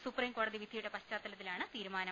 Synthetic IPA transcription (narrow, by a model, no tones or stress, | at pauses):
supriːŋko̞ːɽɐðiʋid̪ʱijuɽepɐɕt͡ɕaːt̪ːɐlɐt̪ːilaːɳɨt̪iːɾumaːnɐ